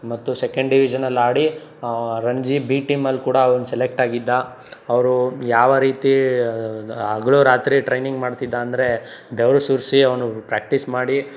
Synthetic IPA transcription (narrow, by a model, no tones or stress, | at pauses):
mɐt̪ːusekɐɳɖɖiʋid͡ʒɐnɐlːaːɽi | ɾɐɲd͡ʒibiːʈimɐlːkuːɽɐːʋɐnusɛlek̚ʈaːɡid̪ːa | ɐʋɐɾujaːʋɐɾiːt̪i | ɐɡɐɭoːɾaːt̪ɾiʈɾɐjniŋɡmaːɖt̪id̪ːaːnd̪ɐɾe̞ | beʋɾɐsuɾsiɐʋɐnupɾaːk̚ʈismaːɽi